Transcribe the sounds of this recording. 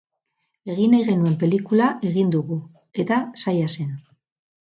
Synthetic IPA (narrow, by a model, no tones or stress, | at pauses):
e̞ɣinajɣe̞nue̞mpe̞likulaʔe̞ɣind̪uɣu | e̞t̪asajase̞n